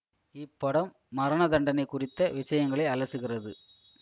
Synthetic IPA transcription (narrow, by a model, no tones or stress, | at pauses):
ɪpːɔɽɐmːɐɾɐɳɐd̪ɐɳɖɐnɐɪkːʊrɪt̪ːɐʋɪʂɐjɐŋɡɐɭɐɪɐlɐsɯɣɪrɐðɯ